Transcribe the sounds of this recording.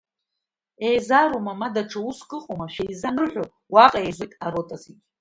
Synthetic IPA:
ejzaɾomamadaʈ͡ʂʰauskʼɨqʼomaʃᶣejzanɨrħʷᶣo | waqʼaezʷejtʼaɾotʼazitʼ

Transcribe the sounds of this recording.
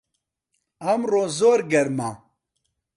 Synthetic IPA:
ɐmroːzoːɾɡɛɾma

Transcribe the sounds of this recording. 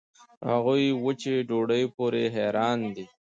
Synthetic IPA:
haɣujwət͡ʃeɖoɖəjpoɾeɦɛɾɑːnd̪i

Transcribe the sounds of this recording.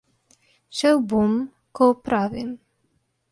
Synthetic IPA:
ʃəwbum | kopɾavɪn

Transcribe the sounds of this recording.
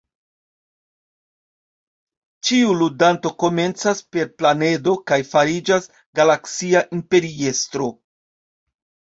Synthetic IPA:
t͡ʃiuludanto̞ko̞me̞nt͡saspe̞ɾplane̞do̞kajfaɾid͡ʒas | ɡalaksiaʔimpe̞ɾie̞stɾo̞

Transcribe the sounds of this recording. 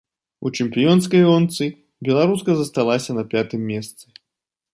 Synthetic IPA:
ut͡ʂɨmpʲijɔnskɐjɔnt̪sɨ | bʲɛlˠaɾuskɐzɐst̪alˠasʲɐnɐpʲat̪ɨmʲːɛst̪sɨ

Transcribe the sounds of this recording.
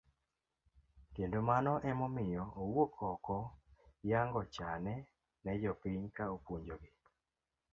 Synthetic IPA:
kendomanɔʔɛmɔmɪjɔowokʰɔkɔjaŋɡɔt͡ʃanɛ | nɛd͡ʒɔpiɲkaopwoɲd͡ʒoɡɪ

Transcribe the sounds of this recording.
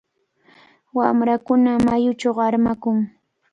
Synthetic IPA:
wamɾakʊnamajʊt͡ʃoaɾmakʊŋ

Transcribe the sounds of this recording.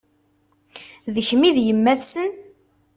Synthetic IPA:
ðəçmiðjəmːæθsən

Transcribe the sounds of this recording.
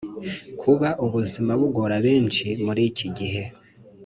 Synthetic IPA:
kʰuβaʔuβuzimaβuɡo̞ɾaβe̞ːnt͡ʃimuɾiciɟiɦe̞

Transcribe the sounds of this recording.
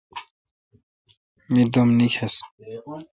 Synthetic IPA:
mid̪omnikʰes

